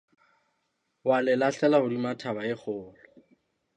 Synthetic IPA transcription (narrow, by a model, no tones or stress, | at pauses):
walɛlaɬɛlahʊdimatʰabaɪk͡xʰʊːlɔ